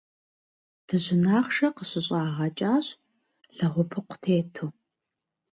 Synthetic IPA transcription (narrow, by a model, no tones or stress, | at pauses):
d̥ʰɨʑɪnaːχʃɐqəɕʼɪɕʼaːʁɐt͡ʃʼaːɕ | ɬɐʁʷʊpʰɨqʷʊ̥tʰeːtʰoː